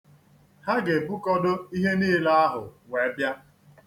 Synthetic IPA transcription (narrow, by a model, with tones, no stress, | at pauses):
ha˦ɡe˨bu˦kɔ˦do˦i˦ɦe˦niː˦la˦a˦ɦʊ̰˨wʷe˨˦bja˦